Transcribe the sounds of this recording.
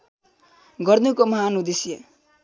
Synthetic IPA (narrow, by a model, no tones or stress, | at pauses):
ɡʌrnukomʌɦanud̪isjʌ